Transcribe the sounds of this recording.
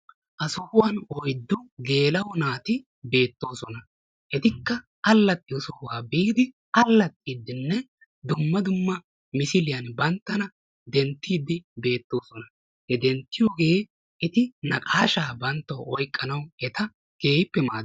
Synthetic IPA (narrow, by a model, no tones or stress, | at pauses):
ʔɐsʊhʊwɐnɔjd̪ːʊɡe̞ːlɐwʊnaːt̪ɪ | be̞ːt̪ːo̞ːsɔnɐ | ʔɛt̪ɪkːɐ | ɐlːɐt̪ʼːɪɔsʊhʊwaːbiːd̪ɪ | ɐlːɐt̪ʼːiːd̪ːɪnːɛ | d̪ʊmːɐd̪ʊmːɐ | mɪsɪlɪjɐnbɐnt̪ːɐnɐ | d̪ɛnt̪ːiːd̪ɪbe̞ːt̪ːo̞ːsɔnɐ | hɛd̪ɛnt̪ːɪjoɡeː | ɛt̪ɪnɐkʼaːʃaːbɐnt̪ːɐwʔɔjkʼːɐnɐwɛt̪ɐ | ɡ̥eːjɪpːɛmaːd̪